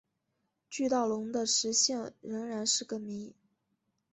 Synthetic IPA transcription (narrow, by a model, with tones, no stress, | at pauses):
t͡ɕy˥˧t̪ɑ˥˩ʊlʊ˧˥ŋd̪ə˧ʂɻ̩˧˥ɕjɛ˥˩ŋɻə˧˥ŋɻa˧˥nʂɻ̩˥˩kə˧˩mi˧˥